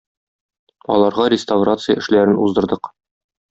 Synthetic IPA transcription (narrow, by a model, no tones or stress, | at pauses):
ɒ̰lˠɑɾʁɑɾʲɪst̪avrat̪sɨjəɘ̆ʃlæɾɘnuzd̪ɤ̆ɾd̪ɤq